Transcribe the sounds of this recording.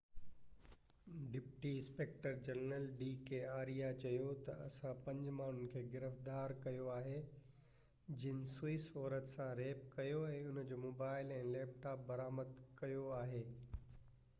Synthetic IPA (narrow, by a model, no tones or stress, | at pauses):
ɖɪpʈiɪ̃speːk̚ʈəɾd͡ʑɐnɾəlɖiːkeaːɾijat͡ɕɐjot̪ɐɐsãpɐ̃ɲd͡ʑmaːn̤ʊnɪ̆kʰeːɡɪɾəfd̪aːɾkɐjoaːɦe | d͡ʑɪnɪsʊiːsɔːɾət̪sãɾeːp̚kɐjoɛ̃ːʊnd͡ʑoːmoːbaːɪlɛ̃ːleːp̚ʈaːp̚bɐɾaːməd̪kɐjoaːɦeː